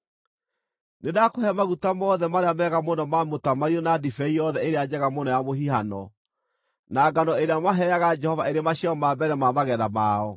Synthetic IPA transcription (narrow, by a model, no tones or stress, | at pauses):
nedakohɛmaɣutamɔðɛmaɾeamɛɣamonɔmamotamaiɔnadifɛijɔðɛeɾead͡ʑɛɣamonɔjamoɦihanɔ | naɡanɔeɾeamaɦɛjaɣad͡ʒɛhɔvaeɾemaɕiɔmaːbɛɾɛmamaɣɛðamaɔ